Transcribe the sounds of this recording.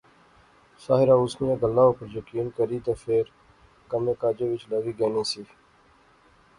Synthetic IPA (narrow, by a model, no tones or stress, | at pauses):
saːɦɪɾaːʊsnɪjãːɡəlːaːʊpəɾjəkiːnkəɾiːt̪aːfʰeːɾ | kəmẽːkaːd͡ʒeːʋɪt͡ʃləɡiːɡeːnẽːsiː